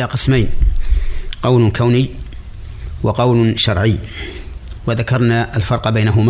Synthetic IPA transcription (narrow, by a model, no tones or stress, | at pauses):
aqəsmajn | qɑwlkʰawnɪjː | wɑqɑwlʃɑɾˤʕəjː | waðakɑɾˤnaʔəlfɑɾˤqbajnaɦʊm